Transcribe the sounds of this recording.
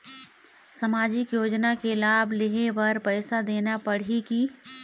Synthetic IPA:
sɐmaːd͡ʒɪkjoːd͡ʒnakelaːbʱlɪɦebɐɾpəɪsad̪eːnapəɽ̤iki

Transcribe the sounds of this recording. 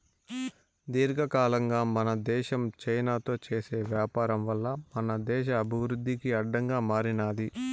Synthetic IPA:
d̪iːɾɡɐkaːlɐŋɡaːmɐnɐd̪ɛːʃɐmt͡ʃɐjnaːt̪o̞ːt͡ʃeːse̞ːʋjaːpaːɾɐmʋɐlːɐmɐnɐd̪ɛːʃ̬ɐːbʱiʋɾud̪ʱːikiɐɖːɐŋɡaːmaːɾinaːd̪i

